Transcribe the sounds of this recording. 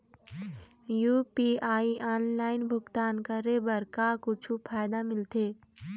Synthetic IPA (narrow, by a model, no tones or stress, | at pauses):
juːpiaːiʔaːnlaːɪnbʱʊɡt̪aːnkəɾebɐɾkakʊt͡ʃʰupʰaːjd̪amɪlt̪ʰeː